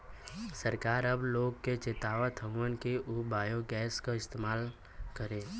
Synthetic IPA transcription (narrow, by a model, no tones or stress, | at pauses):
səɾkaːɾɐbloːɡket͡ʃeːt̪aːʋat̪ʰə̃ɡʋənkeʔʊbaːjoɡɛːskaɪst̪eːmaːl | kəɾeː